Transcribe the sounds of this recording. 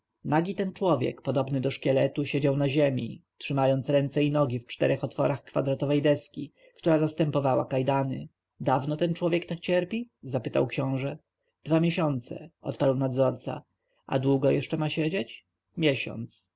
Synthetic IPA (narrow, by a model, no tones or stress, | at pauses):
naɡʲit̪ɛnt͡ʂwɔvʲjɛ̰kpɔd̪ɔbnɘd̪ɔʂkʲɛlɛt̪uɕɛd͡ʑawnaʑemʲḭtʂɘmajɔnt̪sɾɛnt̪sɛinɔɡʲift͡ʂt̪ɛɾɛxɔt̪fɔɾaxkfad̪ɾat̪ɔvɛjd̪ɛskʲi | kt̪uɾazast̪ɛmpɔvawa̰kajd̪anɘ̰ | d̪avnɔt̪ɛnt͡ʂwɔvʲjɛkt̪akt͡ɕɛɾpʲizapɘt̪a̰wkɕɔ̃w̃ʐɛ | d̪̥vamʲjeɕɔnt̪sɛ̰ʔɔ̰t̪paɾwnad̪zɔɾt̪sa̰ | ʔa̰d̪wuɡɔjɛʂt͡ʂɛmaɕed͡ʑet͡ɕ | mʲjɛɕɔ̰nt̪s